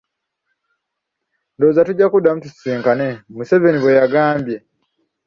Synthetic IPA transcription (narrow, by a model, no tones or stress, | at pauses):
ndozatuɟakudamutusiːŋkane̞muse̞ve̞niβwejaɡaːmbje̞